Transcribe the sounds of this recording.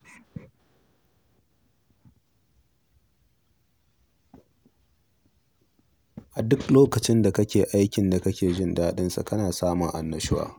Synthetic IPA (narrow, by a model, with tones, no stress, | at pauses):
ʔa˨dʊ˦kloː˦kɐ˨t͡ʃɪ˦nda˨kɐ˦kʲeː˨ʔa˦jkʲɪ˨nda˨kɐ˦kʲeː˨ʒɪ˦ndaː˦ɗɪ˦nsa̰˨kɐ˦naː˨saː˦mʊ˨ŋʔa˨nːɐ˨ʃɪ˦wa̰ː˦